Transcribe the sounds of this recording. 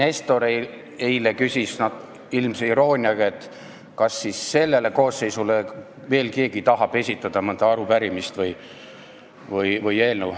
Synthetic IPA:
ne̞st̪o̞ɾe | ejlekysʲisnɑd̪ | ilmseiɾo̞ːnʲiɑɡ̥ɑe̞t̪ | kɑsːisːe̞lːe̞le̞ko̞ːsːe̞jsule | ve̞ːlke̞ːɡ̥it̪ɑɦɑb̥e̞sʲit̪ːˑɑd̪̥ɑmɤnd̪ɑɑɾupæɾimist̪vɤj | vɯjvɯje̞ːlnew

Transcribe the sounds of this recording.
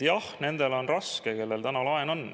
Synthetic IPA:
jɑhne̞nd̪̥e̞lo̞nrɑskeke̞lːe̞lt̪ænɑlɑenon

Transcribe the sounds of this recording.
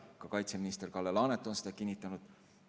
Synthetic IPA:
kɑkɑjt̪seminist̪e̞rkɑlːelɑːnet̪ːˑo̞nsed̪̥ɑkinʲːit̪ːˑɑnud̪̥

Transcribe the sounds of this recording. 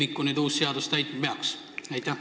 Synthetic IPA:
ikːˑuned̪uːsseɑd̪ust̪æjt̪̚mɑpeɑks | æjt̪ːˑæ

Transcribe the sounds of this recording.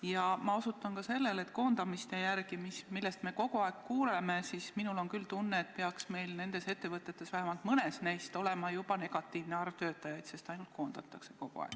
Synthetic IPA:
jɑmɑo̞sut̪ːˑɑnkɑse̞lːe̞le̞t̪ko̞ːnd̪̥ɑmist̪e̞jærɡimismilːe̞st̪meko̞ɡ̥uɑekkuːleme̞siːsminulo̞nkylt̪unːeːt̪peɑksme̞jlne̞nd̪̥e̞se̞t̪ːe̞vɤt̪ːˑe̞t̪ːe̞svæhemɑlt̪mɤne̞snæjst̪o̞le̞mɑjubɑne̞ɡ̥ɑt̪ːiːvneɑrt̪ø̞ːt̪ːˑɑjɑjd̪se̞st̪ɑjnult̪̚ko̞ːnd̪̥ɑt̪ːˑɑkse̞ko̞ɡ̥ṵɑ̰ɡ

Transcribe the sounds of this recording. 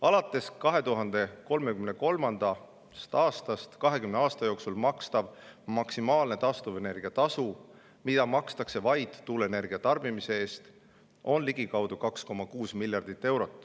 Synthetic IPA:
ɑlɑt̪ːˑe̞skɑɦe̞t̪uɦɑnd̪̥e̞ko̞lme̞kymne̞ko̞lmɑnd̪̥ɑ | st̪ɑːst̪ɑst̪kɑɦe̞kymneɑːst̪ɑjo̞ːksulmɑkst̪ɑb̥mɑksimɑːlne̞t̪ɑst̪ove̞ne̞rɡ̥iɑt̪ɑsu | mid̪̥ɑmɑkst̪ɑkse̞vɑjd̪̥ːuːlene̞rɡ̥iɑt̪ɑrb̥imise̞eːst̪ | ʔo̞nliɡ̥ikɑwd̪̥ukɑksko̞mːɑkuːsmilʲjɑrd̪̥it̪ːe̞wɾo̞t̪ːˑ

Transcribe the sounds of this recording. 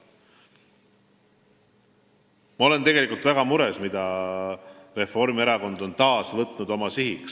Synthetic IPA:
mɑo̞le̞nt̪e̞ɡ̥e̞likːˑult̪væɡ̥ɑmuɾe̞smid̪̥ɑ | re̞fo̞ɾmieɾɑko̞nd̪o̞nt̪ɑːsvɤt̪ˑnud̪o̞mɑsihiks

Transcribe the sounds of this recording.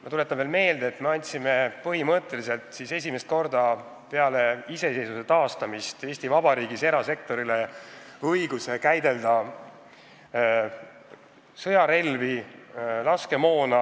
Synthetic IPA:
mɑt̪ule̞t̪ːˑɑnvelme̞ːld̪̥eːt̪me̞ɑnʲt̪sime̞pɤɦimɤt̪ˑːe̞lise̞lt̪ˑsise̞s̬ʲimest̪ko̞rd̪ɑ | pe̞ɑle̞ise̞se̞jsuse̞t̪ɑːst̪ɑmist̪eːsʲt̪ivɑbɑɾiːɡ̥ise̞ɾɑse̞k̚t̪o̞ɾileɤjɡ̥use̞kæjd̪e̞ld̪̥ɑ | sɤjɑɾe̞lvi | lɑske̞mo̞ːnɑ

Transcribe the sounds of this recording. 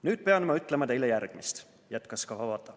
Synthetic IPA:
nyːd̪̥̚pe̞ɑnmɑyt̪ːˑlemɑt̪e̞jlejærɡ̥mist̪ | jæt̪ːˑkɑskɑvɑvɑt̪ːˑɑ

